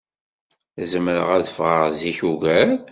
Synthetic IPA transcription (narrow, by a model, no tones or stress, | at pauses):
zəməɾə̰ʁæðəfʁəʁziçuʝæɾ